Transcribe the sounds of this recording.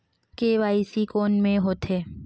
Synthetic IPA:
keʋaːisikoːnmẽɦoːt̪ʰeː

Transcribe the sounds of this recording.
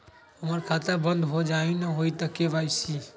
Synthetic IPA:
ɦəməɾkʰat̪əbənd̪ɦod͡ʒainəɦojt̪əkebajsi

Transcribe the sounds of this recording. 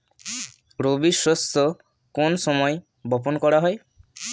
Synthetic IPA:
ɾobiswɔst̪ʰɔ | konsɔmɔj | bɔpɔnkɔɾaɦɔj

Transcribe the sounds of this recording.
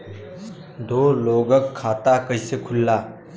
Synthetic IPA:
d̪oːloːɡəkʰːaːt̪akəisekʰʊlːaː

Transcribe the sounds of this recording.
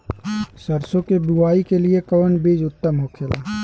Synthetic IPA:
səɾsõkebuaːikeliekəʋənbeːd͡ʒʊt̪ːəmɦokʰeːlaː

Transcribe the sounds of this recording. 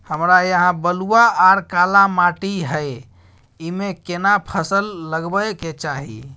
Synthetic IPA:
həmɾajəɦãbəluaːɾkalamaʈiɦəj | imekenapʰəsəlːəɡbəjket͡ʃaɦḭ

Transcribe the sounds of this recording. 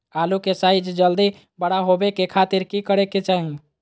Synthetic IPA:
alukesajd͡ʒd͡ʒəld̪i | bəɽaɦobekekʰat̪iɾkikəɽeket͡ʃaɦi

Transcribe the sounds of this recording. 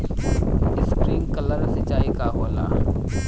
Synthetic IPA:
ɪskɾiːmkɐləɾsɐt͡ʃaːikaɦoːla̰ː

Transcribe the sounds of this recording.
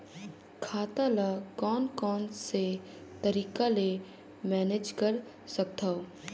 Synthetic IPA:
kʰaːt̪alakɔːnkɔːnse | t̪əɾiːkale | mɛːned͡ʒkəɾ | sɐk̚t̪ʰao

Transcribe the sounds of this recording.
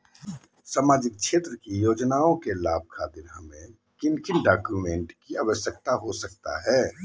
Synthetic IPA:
saːmaːd͡ʒɪk̚ʃʰeːt̪ɾəkijoːd͡ʒnaːõkelaːb̚ʱkʰaːd̪ɪnamẽ | kɪnkɪnɖaːkjumẽːɳʈkiaʋəʃjək̚t̪aɦosɐk̚t̪a̰ɦɛː

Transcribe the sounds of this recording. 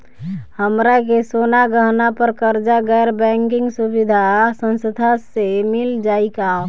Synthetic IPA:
həmɾakesonaɡəɦnapəɾkəɾd͡ʒaɡɛɾbɛ̃ŋkɪŋɡsubid̪ʱasə̃nsəd̪ʱasemɪld͡ʒaːika

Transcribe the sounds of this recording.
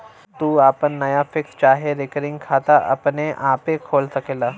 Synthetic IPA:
t̪uːaːpənːɐjafɪkst͡ʃaːɦeɾekəɾɪ̃ŋɡkʰaːt̪aʔɐ̰pneʔaːpekʰoːlsɐkeːlaː

